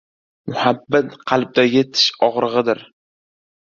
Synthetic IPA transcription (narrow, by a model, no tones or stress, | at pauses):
mʊhabːat̪qʰɑlˠb̚d̪ajʲet̪ʰɪ̥ʃɒʁɾɨʁɨd̪ɪɾ